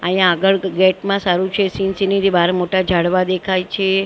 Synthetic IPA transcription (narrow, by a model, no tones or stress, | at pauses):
əijãaɡəɭɡɛʈmãsaɾũt͡ʃʰesinsinid̪ibaɾmoʈad͡ʒʱaɽʋad̪ekʰajt͡ʃʰe